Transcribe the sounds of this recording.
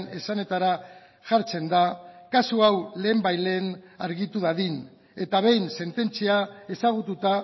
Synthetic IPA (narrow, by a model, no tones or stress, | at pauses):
ne̞sane̞t̪aɾa | ʝaɾt͡se̞nd̪akasuawle̞ːmbajle̞ːnaɾɣit̪uðaðin | e̞t̪aβ̞e̞jnse̞nt̪e̞nt͡siae̞saɣ̞ut̪ut̪a